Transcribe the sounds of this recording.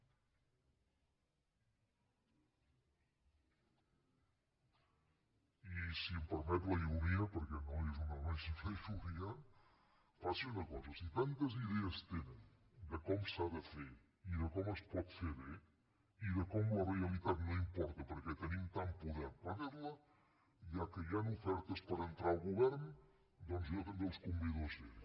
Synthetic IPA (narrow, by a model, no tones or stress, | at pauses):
isiəmpəɾmɛt̪ləuɾiəpəɾkɛnoezunəɣansiləuɾiə | faseunəkɔzɐsit̪ant̪əziðɛəst̪enən | d̪əkɔmsaðəfe | iðəkɔməspɔt̪feβe | iðəkɔmlərealit̪at̪noimpɔɾt̪əpəɾkɛt̪ənimt̪ampuðɛɾpəðeɾlə | iakəjanufɛɾt̪əspəɾənt̪ɾalˠɣuβɛɾn | d̪ɔnzjot̪end̪əlˠskumbiðoze